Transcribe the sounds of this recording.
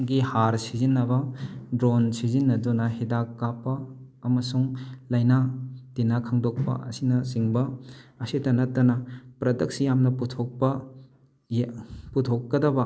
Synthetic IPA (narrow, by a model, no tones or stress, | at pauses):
ɡihaɾsizinːɐbɐdɾonsizinːɐdunɐɦidakːapːɐː | mɐsuŋlɐjnatinakʰaŋdok̚pɐ̰ɐ̰sinɐsiŋbɐɐsidɐnɐtːɐnɐpɾɐdɐk̚sjamnɐputʰok̚pɐ | putʰokːɐdɐbɐ